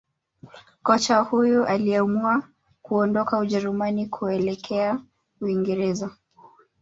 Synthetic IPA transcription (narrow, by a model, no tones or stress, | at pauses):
kɔt͡ʃahujuʔaliamua | kuɔndɔkauʄɛɾumanikʰuɛlɛkʰɛa | uiŋɡɛɾɛza